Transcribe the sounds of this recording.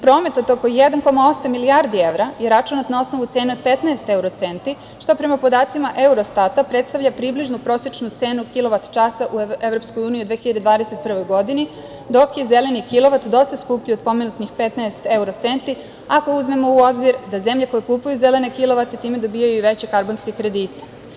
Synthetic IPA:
pɾo̞ːme̞t̪ot̪oko̞jed̪anko̞mao̞samːiliaɾd̪ieʋɾajeɾat͡ʃunat̪nao̞sno̞ʋut̪seːneod̪̚pet̪naest̪e̞uɾot̪se̞nt̪i | ʃt̪o̞pɾe̞mapo̞d̪aːt̪simaʔe̞uɾost̪at̪apɾet̪st̪aʋʎapɾibliʒnupɾo̞sjet͡ʃnut̪se̞ːnukilˠo̞ʋat̪t͡ʃasaʔueʋɾo̞pskojuːniud̪ʋeːçiʎad̪ed̪ʋaːd̪eset̪̚pr̩ʋo̞jɡo̞d̪ini | d̪o̞kje̞ze̞le̞nikilˠo̞ʋat̪d̪o̞st̪askupʎiod̪̚po̞me̞nut̪nixpe̞t̪naest̪e̞uɾot̪se̞nt̪i | ako̞uzme̞mo̞uo̞bziɾd̪azemʎeko̞jekupujuze̞le̞nekilˠo̞ʋat̪e̞t̪iːme̞d̪o̞bijajuiʋe̞t͡ɕe̞kaɾbonske̞kɾe̞d̪iːt̪e̥

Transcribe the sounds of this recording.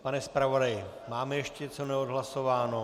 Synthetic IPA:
panɛspɾavo̞dajɪ | maːmɛjɛʃcɛt͡sonɛodɦlaso̞vaːno

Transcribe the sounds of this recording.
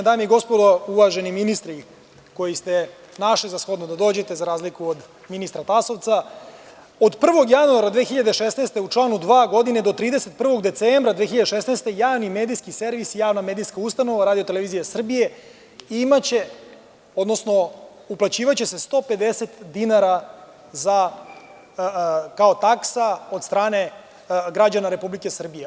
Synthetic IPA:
d̪aːmjeɡo̞spod̪ouʋaʒe̞niminist̪ɾi | ko̞jist̪e̞ | naʃlizasxo̞d̪nod̪ad̪o̞ːd͡ʑe̞t̪e̞zaɾaːzlikuod̪ | minist̪ɾat̪aso̞ʋt̪sa | od̪pr̩ʋo̞ɡjanuaɾad̪ʋeːxiʎad̪eʃesnest̪e̞ut͡ʂlˠaːnud̪ʋaːɡo̞d̪ined̪o̞t̪ɾiːd̪eset̪̚pr̩ʋo̞ɡd̪e̞t̪seːmbɾad̪ʋexiʎad̪eʃesneːst̪e̞jaːʋnimeːd̪ijskise̞ɾʋisijaːʋname̞ːd̪ijskaust̪ano̞ʋaɾaːd̪iot̪eleʋizijasr̩bije̞ | imat͡ɕe | o̞d̪no̞sno̞ | uplˠat͡ɕiːʋat͡ɕe̞se̞st̪o̞pe̞d̪e̞set̪d̪inaɾa | za | kaot̪aksao̞d̪st̪ɾaːne̞ | ɡɾad͡ʑanaɾe̞publike̞sr̩bije

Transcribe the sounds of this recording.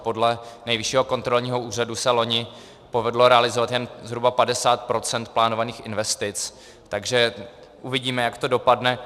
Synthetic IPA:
po̞dlɛnɛjvɪʃiːɦo̞ko̞nt̪ɾo̞lɲiːɦo̞uːr̝adusɛlo̞ɲɪ | po̞vɛdlo̞ɾɛalɪzovat̪jɛnzɦɾubapadɛsaːt̪pɾo̞t͡sɛnt̪̚plaːno̞vaniːxɪnvɛst̪ɪt͡s | t̪aɡʒɛ | ʔuvɪɟiːmɛjakt̪o̞do̞padnɛ

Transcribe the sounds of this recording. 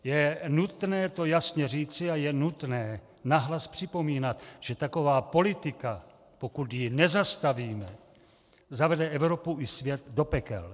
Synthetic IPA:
jɛnut̪nɛːt̪o̞jasɲɛriːt͡sɪajɛnut̪nɛː | naɦlaspr̝̥ɪpo̞miːnat̪ʒ̥ɛt̪ako̞vaːpo̞lɪt̪ɪka | po̞kut̪jɪnɛzast̪aviːmɛ | zavɛdɛʔɛvɾo̞puʔɪsvjɛt̪do̞pɛkɛ̰l

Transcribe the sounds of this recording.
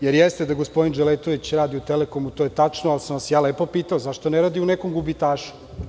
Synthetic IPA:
jeɾjest̪ed̪aɡospod̪ind͡ʒelet̪oʋit͡ɕɾaːd̪iut̪elekomut̪ojet̪at͡ʃnoalsamʋasjaːlepo̞piːt̪aozaʃt̪oneɾaːd̪iunekomɡubit̪aːʃu̥

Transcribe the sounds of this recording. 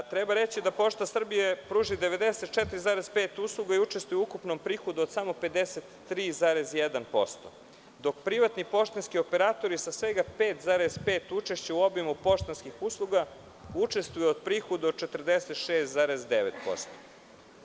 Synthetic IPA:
t̪ɾebaɾe̞t͡ɕid̪apo̞ʃt̪asr̩bijepɾuːʒid̪eʋe̞d̪eset̪̚t͡ʃet̪ɾizaːɾezpe̞ːt̪uːslˠuɡaiut͡ʃest̪vujeukupnompɾixod̪ood̪samope̞d̪eset̪ːɾiːzaːɾezjed̪anpo̞̰st̪o̰ | d̪o̞kpɾiʋat̪nipo̞ʃt̪inskiopeɾaːt̪o̞ɾisasʋe̞ɡapeːt̪zaːɾezpeːt̪ut͡ʃeʃt͡ɕeuobimupo̞ʃt̪anskixuslˠuɡa | ut͡ʃe̞st̪vujeod̪pɾixod̪ot͡ʃe̞t̪r̩d̪eset̪ʃeːst̪zaːɾezd̪eʋḛt̪po̞̰st̪o̥

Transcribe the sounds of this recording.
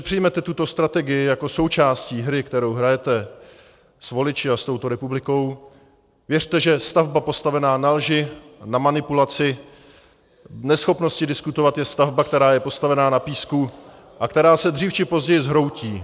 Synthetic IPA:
pr̥ɪjmɛt̪ɛt̪ut̪o̞st̪ɾat̪ɛɡɪjɪjako̞so̞wt͡ʃaːsciːɦɾɪkt̪ɛɾo̞wɦɾajɛt̪ɛ | svo̞lɪt͡ʃɪast̪o̞wt̪o̞ɾɛpublɪko̞w | vjɛr̝t̪ɛʒɛst̪avbapo̞st̪avɛnaːnalʒɪnamanɪpulat͡sɪ | nɛsxo̞pno̞scɪdɪskut̪o̞vat̪jɛst̪avbak̚t̪ɛɾaːjɛpo̞st̪avɛnaːnapiːsku | ʔakt̪ɛɾaːsɛd̪riːft͡ʃɪpo̞zɟɛjɪzɦɾo̞wciː

